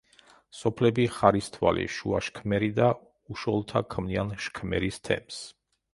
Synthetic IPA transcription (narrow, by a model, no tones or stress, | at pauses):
sɔpʰlɛbiχaɾist̪ʰwa̰lḭʃuaʃkʰmɛɾid̪a | uʃɔlˠɔt̪ʰakʰmnianʃkʰmɛ̰ɾist̪ʰɛ̰ms